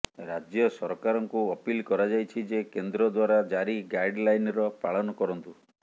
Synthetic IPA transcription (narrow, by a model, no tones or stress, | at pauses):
ɾad͡ʒjɔsɔɾkaɾɔŋkuɔpilkɔɾad͡ʒajt͡ʃʰid͡ʒekend̪ɾɔd̪waɾad͡ʒaɾiɡajɖlajnɾɔpaɭɔnɔkɔɾɔnt̪u